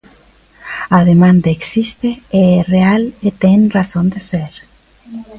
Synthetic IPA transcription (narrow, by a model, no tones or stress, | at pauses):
aðemãnd̪aeksist̪eerealet̪eŋrasõnd̪eseɾ